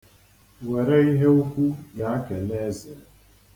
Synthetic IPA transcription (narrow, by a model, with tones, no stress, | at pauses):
wɛ˨ɾe˦i˦ɦe˦u˦kʷu˦ja˦kɛ˨lɛ˦zɛ˨